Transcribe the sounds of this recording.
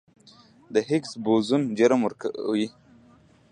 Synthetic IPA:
d̪əɦɪksbozund͡ʒəɾəmwəɾkwi

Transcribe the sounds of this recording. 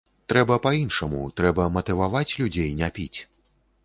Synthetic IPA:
t̪ɾɛbɐpajinʂɐmṵt̪ɾɛbɐmɐt̪ɨvavat͡sʲlʲud͡zʲejnʲɛpʲit͡sʲ

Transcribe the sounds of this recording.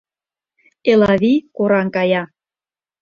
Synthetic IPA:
elɑβikoɾɑŋkɑjɑ

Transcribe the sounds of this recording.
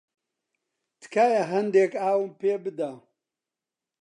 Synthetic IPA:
t̪ʰɨ̥kʰaːjɐɦɐnd̪ekaːwɨmpeːbɨd̪a

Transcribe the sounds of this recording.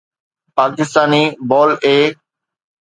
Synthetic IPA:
paːkɪst̪aːniːbɔːleː

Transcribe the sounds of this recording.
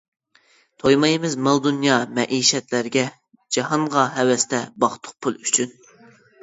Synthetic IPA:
t̪ʰojmɑjimɨzmɑlˠd̪unjɑːmɛʔiʃɛt̪læɾɡʲɛ | d͡ʒɑhɑɴʁɑɦɛwɛst̪ʰɛbɑχt̪ʰʊ̥q̚pʰulˠyt͡ʃʰyn

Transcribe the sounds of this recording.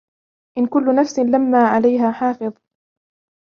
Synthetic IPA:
ʔɪnkʊlːʊnafsɪlamːaːʕalajɦaːħɑːfɨðˤ

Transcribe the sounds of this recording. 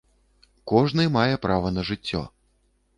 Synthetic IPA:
kɔʐnɨmajɛpɾavɐnɐʐɨt͡sʲːɔ̰

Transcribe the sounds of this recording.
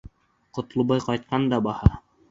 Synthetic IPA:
qŏt̪ŏlˠbɑjqɑjt̪̚qɑnd̪ɑbɑhɑ

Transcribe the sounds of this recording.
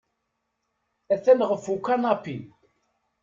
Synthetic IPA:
æθænʁəfukːanɑpːi

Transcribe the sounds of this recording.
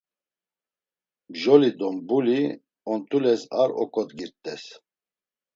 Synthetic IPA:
bʒɔlid̪ɔmbuli | ɔnt̪ʼulɛsaɾɔ̰kʼɔt̪ɡiɾt̪ʼɛs

